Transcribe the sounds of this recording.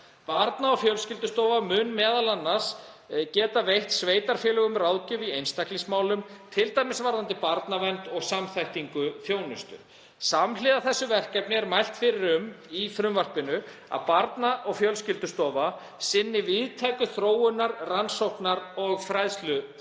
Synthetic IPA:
paɾt̪naɔɣfjœlscɪlt̪ʏst̪ɔːvamʏnmɛːðalanːas | cɛːt̪avejht̪sveːjt̪aɾ̥fjɛːlʏɣʏmraːwðcɪviejnst̪aklismaːwlʏmt̪ʰɪlt̪ajmɪsvaɾðant̪ɪpaɾt̪navɛnt̪ɔɣsamθajht̪iŋkʏθjoːwnʏst̪ʏ̰ | samlɪðaθɛsːʏvɛr̥kɛpnɪɛɾmajl̥t̪fɪɾɪɾʏm | ifɾʏmvar̥pɪnʏ | a̰ðpaɾt̪naʔɔɣfjœlscɪlt̪ʏst̪ɔːva | sɪnːɪvɪðt̪ʰajkʏθɾoːwʏnːaɾransowhknaɾɔɣfɾajðst̪lʏ

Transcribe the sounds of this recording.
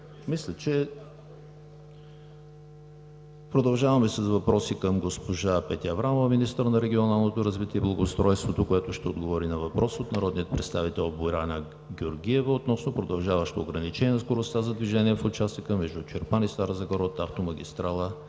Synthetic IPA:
mislʲɛt͡ʃɛ | pɾod̪ɐlˠʒavɐmɛsɐsvɐpɾɔsikəmɡospoʒapɛt̪iɐvɾamovɐminist̪əɾnɐɾɛɡʲionalˠnot̪oɾəzvit̪ʲiɛiblˠɐɡoːst̪ɾɔjst̪vot̪okoɛt̪oʃt̪ɛod̪ɡovɔɾinɐvɐpɾʔɔsot̪nɐɾɔd̪nijət̪̚pɾɛt̪st̪a̰vit̪ɛlˠbojɾanɐ | ɡʲɛoɾɡʲiɛvəot̪nɔsnopɾod̪ɐlˠʒavɐʃt̪oːɡɾɐnit͡ʃɛnʲiɛnɐskoɾost̪azɐd̪viʒɛniɛfʊt͡ʃast̪ikəmɛʒd̪ut͡ʃɛɾpanist̪aɾəzɐɡɔɾt̪aft̪oməɡʲist̪ɾalˠə

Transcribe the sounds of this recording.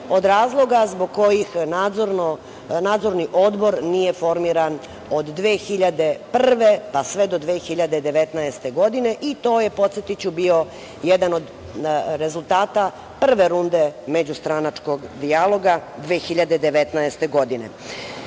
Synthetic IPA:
o̞d̪ɾaːzlˠo̞ɡazbo̞ɡ̚ko̞jixnad̪zoɾno | naːd̪zo̞ɾniʔo̞d̪bo̞ɾnije̞fo̞ɾmiɾan | od̪ːʋeːxiʎad̪e̞pr̩ʋe̞pasʋe̞d̪o̞d̪ʋeːxiʎad̪e̞d̪e̞ʋet̪naest̪e̞ɡo̞d̪ine̞ʔit̪o̞ːje̞po̞t̪set̪it͡ɕubio̞ | jed̪ano̞d̪ | ɾe̞zulˠt̪aːt̪a | pr̩ʋe̞ɾund̪e̞med͡ʑust̪ɾanat͡ʂko̞ɡd̪ialo̞ɡad̪ʋeːxiʎad̪e̞d̪e̞ʋet̪naest̪e̞ɡo̞d̪inḛ

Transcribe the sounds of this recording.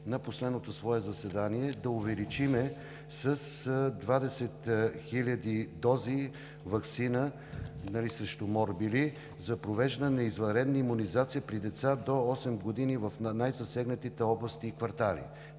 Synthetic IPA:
nɐposlɛd̪not̪osvɔɛzɐsɛd̪aniɛd̪ɐʊvɛlit͡ʃimɛ | sɐsd̪vad̪ɛsɛt̪xilʲəd̪id̪ɔzi | vɐksinə | nɐlisɾɛʃt̪ʊmɔɾbili | zɐpɾovɛʒd̪ɐnɛnɐizvɐɾɛd̪nəimunizat̪sijəpɾid̪ɛt̪sad̪oɔsɛmɡod̪inivɐfnajzɐsɛɡnət̪it̪ɛɔblˠɐst̪iːkvɐɾt̪alḭ

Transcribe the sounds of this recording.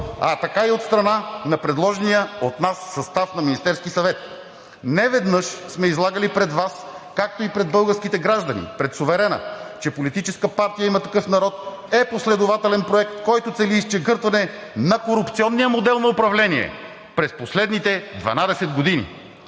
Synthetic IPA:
ɐ̰t̪ɐkaiot̪st̪ɾɐnanɐpɾɛd̪lˠɔʒɛnijəot̪nasːɐst̪afnɐminist̪ɛɾskisɐvɛt̪̚ | nɛvɛd̪nɤʃsmɛizlˠaɡəlipɾɛd̪vaskak̚t̪oipɾɛd̪̚bɤlˠɡəɾskit̪ɛɡɾaʒd̪ɐnḭpɾɛt̪sʊvɛɾɛnə̰t͡ʃɛpolit̪it͡ʃɛskəpaɾt̪ijəimɐt̪ɐkɤfnɐɾɔt̪̚ | ɛposlɛd̪ʊvat̪ɛlɛnpɾoɛkt̪kɔjt̪ʊt̪sɛliʃt͡ʃɛɡɤɾt̪vɐnɛnɐkoɾupt̪siɔnːijəmod̪ɛlˠnɐopɾɐvlɛniɛ̰ | pɾɛsposlɛd̪nit̪ɛd̪vɐ̰nad̪ɛsɛd̪ɡod̪inḭ

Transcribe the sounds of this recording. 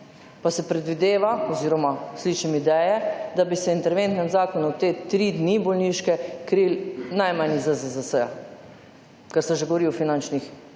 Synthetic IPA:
pasɛpɾɛd̪ʋid̪eːʋaɔziːɾɔmasliːʃimid̪ɛjɛd̪abisɛint̪ɛɾʋẽnt̪nɛmzaːkɔnut̪eːt̪ɾid̪nibɔlniːʃkɛkɾiːlnajmanizəzəzəsəja̰ | kaɾsɛʒeɡɔʋɔɾiɔfinant͡ʃnix

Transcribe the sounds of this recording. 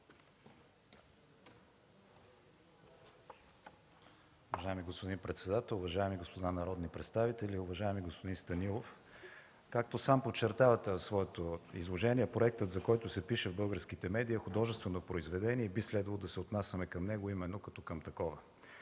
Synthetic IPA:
ʊvɐʒajɛmiɡospod̪inpɾɛt̪sɛd̪at̪ɛlˠʊvɐʒaɛmiɡospod̪anɐɾɔd̪nipɾɛt̪st̪avit̪ɛlʲiʊvɐʒaɛmiɡospod̪inst̪ɐnilˠof | kak̚t̪osampot͡ʃːɛɾt̪avɐt̪əsvɔɛt̪oizlˠoʒɛnʲiɛpɾoɛk̚t̪ət̪zɐkɔjt̪ʊsɛpiʃɛvbɤlˠɡəɾskit̪ɛmɛd̪iəxʊd̪ɔʒɛst̪vɛnopɾoizvɛd̪ɛniɛbislɛd̪vəlˠod̪ɐsɛot̪nasʲjɐmɛkɐmnɛɡoimɛnːokɐt̪ɔkəmt̪ɐkɔvə

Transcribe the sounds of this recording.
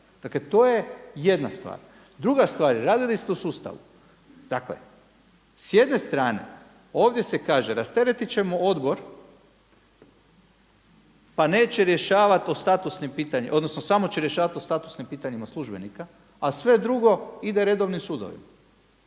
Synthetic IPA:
d̪akle̞t̪o̞ːjeje̞d̪nast̪ʋa̰ːɾ | d̪ɾuɡast̪ʋaːɾjeɾaːd̪ilist̪eusuːst̪a̰ʋṵ | d̪̥aklḛ | sje̞d̪ne̞st̪ɾaːne̞̰ | o̞ːʋd̪je̞sekaːʒeɾast̪eɾet̪it͡ɕe̞moo̞d̪bo̞ɾ | pane̞ːt͡ɕeɾje̞ʃaːʋat̪ost̪at̪usnimpiːt̪aɲiʔo̞d̪no̞snosamo̞t͡ɕeɾje̞ʃaːʋat̪ost̪aːt̪u̥snimpiːt̪aɲimaslˠuʒbe̞̰nika | asʋe̞d̪ɾuɡo̞id̪e̞ɾe̞d̪o̞ʋnimsuːd̪o̰ʋḭma

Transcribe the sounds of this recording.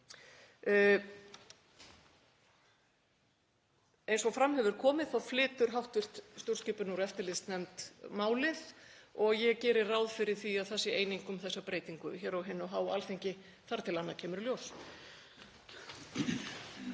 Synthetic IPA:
ejnsvɔfɾamːɦɛvʏɾ̥kʰɔːmɪðθawflɪːt̪ʏɾ̥ɦawht̪vɪr̥t̪st̪owɾrscɪːpʏnuɾɛft̪ɪɾlɪðst̪nɛmt̪maːwlɪðɔɣjɛɣcɛːɾɪraːwðfɪɾɪɾ̥θiaðθɛsːɪeːjniŋkumθɛsːapɾeːjt̪iŋkʏçɛɾawɦɛnːʏɦawa̰lθejŋcɪ | θaɾt̪ʰɪlanːacʰɛːmʏɾljows

